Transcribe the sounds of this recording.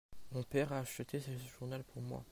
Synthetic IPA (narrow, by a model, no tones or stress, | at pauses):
mɔ̃pɛʁaːʃət̪ʰesəʒuʁnalpʰuʁmwa̰